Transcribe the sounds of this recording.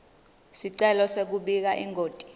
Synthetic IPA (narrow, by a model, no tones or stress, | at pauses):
siǀɛlɔsek̬uɓik̬aʔḭŋʱoːtʼi̥